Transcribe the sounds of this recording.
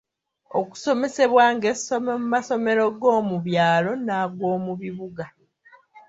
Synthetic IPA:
o̰ku̥so̞me̞se̞βwaːŋɡesommumaso̞me̞ɾo̞ɡo̞ːmuβjaːlo̞naːɡo̞ːmuβiβuɡa

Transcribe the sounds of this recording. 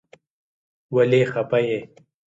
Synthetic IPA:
wɐleːxɐpɐje

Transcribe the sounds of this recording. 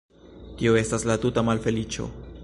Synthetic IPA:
tio̞e̞staslatutamalfe̞lit͡ʃo̰

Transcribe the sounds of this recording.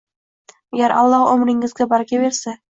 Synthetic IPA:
aɡʲaɾʔɑ̰lˠːɑhɵmɾɪŋɪzɡʲabɒɾkʲabeɾsa

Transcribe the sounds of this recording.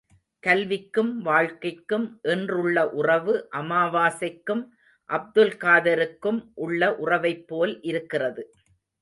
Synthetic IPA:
kɐlʋɪkːɯmʋaːɻkɐɪkːɯmʔɛndrɯɭːɐʔʊrɐʋɯʔɐmaːʋaːsɐɪkːɯm | ʔɐb̚d̪ɯlkaːðɐɾɯkːɯmʔʊɭːɐʔʊrɐʋɐɪpːoːlʔɪɾɯkːɪrɐðɯ

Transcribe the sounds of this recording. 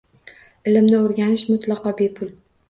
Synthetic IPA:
ɪlɪmnɪoɾɡʲanɪʃmʊt̪lˠɑqʰɒbepʰʊl

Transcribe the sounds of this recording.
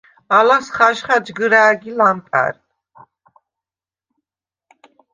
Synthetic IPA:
alasχaʃχad͡ʒɡəɾaːɡilamt̪ʼa̰ɾ

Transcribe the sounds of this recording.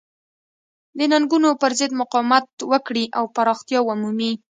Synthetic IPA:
d̪ənaŋɡunopəɾzəd̪mʊqɑwmat̪wəkɽiʔawpaɾɑxt̪jɑʊmumi

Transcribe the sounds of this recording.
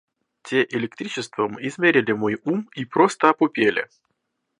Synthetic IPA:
tʲeʔɪlʲɪkt̪ɾʲit͡ɕɪst̪vəmɨɪzmʲeɾʲɪlʲɪmojumipɾost̪əɐpʊpʲelʲɪ̰

